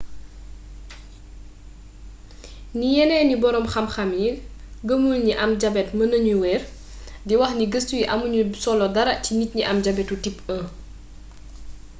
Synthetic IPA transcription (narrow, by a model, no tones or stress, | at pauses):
nijɛnɛːnibɔɾɔmxɐmxɐmjil | ɡəmulɲiʔɐmɟɐbɛtmɐnəɲuwɛːr | diwɐxniɡəstuwiʔɐmuɲusɔlɔdɐɾɐcinit̚ɲiʔɐmɟɐbɛtutipə